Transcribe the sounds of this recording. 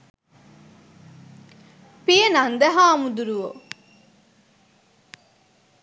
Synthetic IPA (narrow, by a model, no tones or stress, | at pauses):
pijenɐnd̪ɐɦaːmud̪uɾuʋo